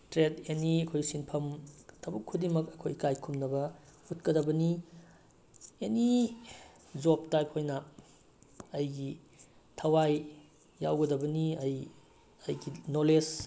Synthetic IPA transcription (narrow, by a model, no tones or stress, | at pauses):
tɾeteniɐkʰojsinpʰɐmtʰɐbukʰːudimɐkɐkʰojkajkʰumnɐbɐutkɐdɐbɐni | eni | d͡ʒop̚tajpʰojnɐ | jɡi | tʰɐwajː | awɡɐdɐbɐniɐj | ɐjɡinoles